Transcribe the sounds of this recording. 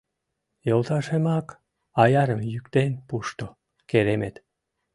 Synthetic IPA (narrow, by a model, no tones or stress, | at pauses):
jolˠt̪ɑʃemɑk | ɑjɑɾemjykt̪enpuʃt̪o | keɾemet̪